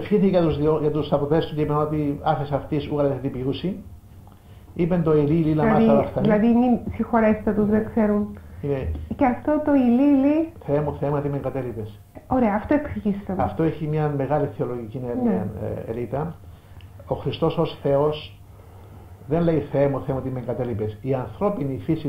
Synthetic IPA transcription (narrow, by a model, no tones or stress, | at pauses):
efçiθieɐt̪uzðioʝɐt̪ust̪ɐpoθest̪uceipenot̪iɐθesɐft̪isuɣɐlɐt̪est̪ipiusi | ipent̪o̞ilililɐmɐsiɐlɐft̪ɐilɐðinisixoɾest̪ɐt̪uzðekseɾunimeceɐft̪ot̪oililiθeemuθeemɐt̪iimeŋɡɐt̪elipes | oɾeɐːft̪oeksiçist̪emɐft̪o̞eçimɲɐme̞ɣɐliθeo̞loʝicineneḛlit̪ɐ | oxɾist̪o̞so̞sθe̞o̞s | ðenle̞iθeemuθeemɐt̪iimeŋɡɐt̪elipe̞siɐnθɾo̞pinifisi